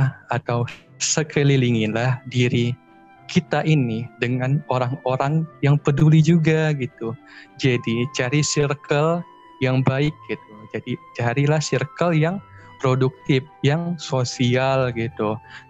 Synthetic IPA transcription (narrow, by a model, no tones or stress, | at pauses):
at̪aw | səkʰəliliŋɪnlahdiɾi | kʰit̪aʔinidəŋanoɾaŋoɾaŋjaŋpədulid͡ʒuɡaɡit̪ud͡ʒadit͡ʃaɾisirkʰəl | jaŋbaɪk̚ɡit̪̚ud͡ʒadit͡ʃaɾilahsirkəljaŋpɾoduk̚t̪ɪf̚jaŋsosialɡit̪u